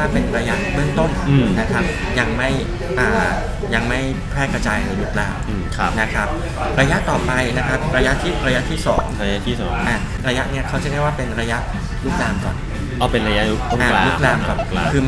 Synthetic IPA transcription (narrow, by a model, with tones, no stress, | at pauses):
aː˥˩pe˧nɾa˧ja˦˥ʔbɯ˥˩əŋt̪o˥˩nː˧˩na˦˥kʰa˦˥p̚ | ja˧ŋma˥˩j | ʔaː˨˩ | ja˧ŋma˥˩j | pʰɾɛː˥˩kɾa˧t͡ɕaː˧jɾɯː˨˩˦lu˦˥k̚laː˧mɯː˧˩kʰa˦na˦˥kʰa˦˥p̚ | ɾa˧ja˦˥ʔt̪ɔː˨˩pa˧jna˦˥kʰa˦˥p̚ɾa˧ja˦˥t̪ʰiː˥˩ɾa˧ja˦˥t̪ʰiː˥˩sɔ̰ː˩˦ŋɾa˧ja˦˥t̪ʰiː˥˩sɔ̰ː˩˦ŋʔaː˨˩ | ɾa˧ja˦˥ʔni˥˩ɐkʰa˦˥˩wt͡ɕa˥˩˦da˥˩jwaː˥˩pe˧nɾa˧ja˦˥ʔ | luː˦˥˩k̚laː˧mkɔ̰˨˩n | ɔ˧˩pe˧nɾa˧ja˦ʔlu˦˥k̚lu˦˥ʔaː˨˧aːlu˦˧k̚laː˧mkʰa˨˩a˧kʰɯː˧m